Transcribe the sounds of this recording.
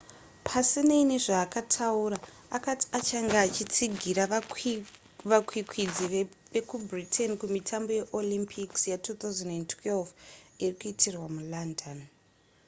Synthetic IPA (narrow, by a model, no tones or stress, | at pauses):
pʰasineine̞ʐaːkatʰauɾa | akati̥at͡ʃaŋɡaːt͡ʃit͡siɡʱiɾa | ʋakwikʰwid͡zi | ʋe̞kubritʰenkumitʰambo̞je̞ʔolimpʰiksjatuːt̪auzanentʰwelfirikuitirwamulandon